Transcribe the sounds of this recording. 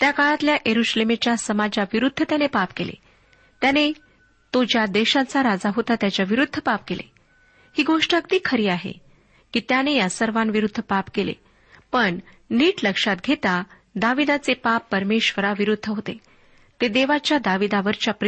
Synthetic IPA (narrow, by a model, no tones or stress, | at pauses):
t̪jakaɭat̪ljaʔjeɾuɕlemet͡ɕjasəmad͡ʑaʋiɾud̪ʱːət̪janepapkelḛ | t̪jane | t̪od͡ʑjad̪eɕãt͡saɾad͡zaɦot̪at̪jat͡ɕjaʋiɾud̪ʱːəpap̚kelḛ | hiːɡoʂʈakt̪iːkʰəɾiːaɦḛ | kiːt̪janejasəɾʋanʋiɾud̪ʱːəpapkelḛ | pəɳ | niːʈləkʂat̪ɡʱet̪a | d̪aʋid̪at͡sepapːəɾmeɕʋəɾaʋiɾud̪ʱːəɦot̪e | t̪ed̪eʋat͡ɕjad̪aʋid̪aʋəɾt͡ɕjapɾ